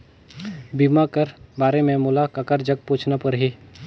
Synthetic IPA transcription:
bimakəɾbaːɾemẽmuːlakɐkəɾd͡ʒəɡ̚pũːt͡ʃʰnapɐɾɦiː

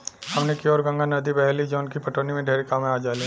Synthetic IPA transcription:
hɐmnekiɔːɾɡɐ̃ŋɡanɐd̪ibɛɦlid͡ʒoːnkipɐʈoːnimẽɖʱeːɾekamẽaːd͡ʒaːli

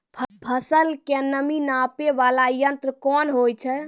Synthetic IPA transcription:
pʰpʰəsəlkenəminapeʋalajənt̪ɾkɔnɦojt͡ʃʰɛ

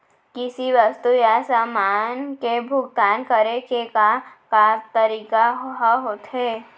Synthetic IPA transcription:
kɪsiʋəst̪ujasaːmaːnkebʱʊɡt̪aːnkəɾekekakat̪əɾiːkaɦɦaɦoːt̪ɦɛː

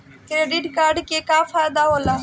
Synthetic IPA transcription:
kɾeːɖɪʈkaːɾɖkeːkaːfaːjd̪aːɦoːlaː

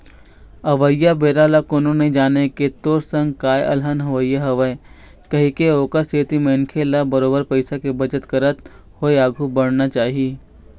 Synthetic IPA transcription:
ɐʋəjːabeːɾaːlakonõneid͡ʒaːneket̪oːɾsə̃ŋɡkaːjʔɐ̰lɦənɦɐʋjːaɦɐʋəe | kɐɦikeoːkəɾseːt̪imɐnkʰelabɐɾoːbəɾpɐɪsakebɐd͡ʒət̪kɐɾət̪ | hoːeaːɡʱubɐɽnat͡ʃaːɦieː

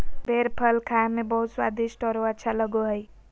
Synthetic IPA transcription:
bʱeɾpʰəlkʰaɦmebʌɦut̪swa̰d̪isʈɔɾoət̪ːt͡ʃʰaləɡoɦəj

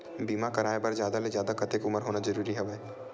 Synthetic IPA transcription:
biːmakɐɾaːebɐɾzjaːd̪alezjaːd̪akɐt̪ekʊməɾɦoːnazɐɾuːɾiɦɛʋeː

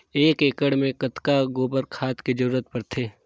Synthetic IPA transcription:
eːkeːkəɽmẽkət̪kaɡoːbəɾkʰaːt̪kid͡ʒəɾuːɾət̪pɐɾt̪ʰeː

